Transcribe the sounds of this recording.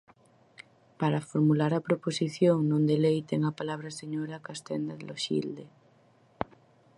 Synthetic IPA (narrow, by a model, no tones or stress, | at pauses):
paɾafoɾmulaɾapɾoposiθjoŋnõnd̪elejt̪eŋapalaβ̞ɾaseɲoɾakast̪end̪aðelʔoʃḭld̪e